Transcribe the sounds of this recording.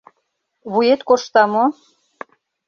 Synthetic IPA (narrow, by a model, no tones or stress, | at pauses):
βujet̪koʃt̪ɑmo